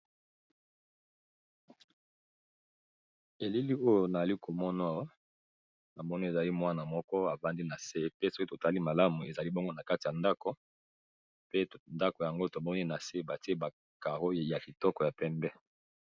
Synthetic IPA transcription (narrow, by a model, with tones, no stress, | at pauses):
e˨li˦li˦o˦jo˨na˨a˨li˦ko˨mɔ˦na˦w | na˨mɔ˦ni˦e˨za˨li˦mwa˦na˨mɔ˦kɔ˦a˨va˦ndi˦na˨se˦pe˦so˦ki˦to˨ta˦li˦ma˨la˦mu˨e˨za˨li˦bɔ˦ŋɡo˦na˨ka˦ti˨ja˨nda˦ko˨ | pe˦nda˦ko˨ja˨ŋɡo˦to˨mɔ˦ni˦na˨se˦ba˨ti˦e˦ba˨ | ka˨ʁo˦ja˨ki˨tɔ˦kɔ˨ja˨pɛ˦mbɛ˦